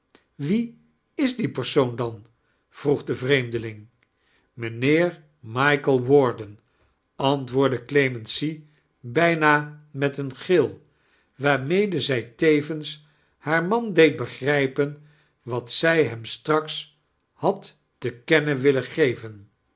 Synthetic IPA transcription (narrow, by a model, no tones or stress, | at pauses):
ʋi | ɪzdipəɹsowndɑn | v̥ruχdəvrejmdəlɪŋ | mənɪːɹ | mɑjkəlˠwɔɹdən | ɑntʋʊːɹdəklemənsi | bɛjnaːmɛtənχɪlˠ | ʋaːɹmejdəzɛjtejvəns | haːɹmɑndejt̚bəχrɛjpən | ʋɑtsɛjɦɛmstrɑks | hɑtː | əkɛnəʋɪləχejvən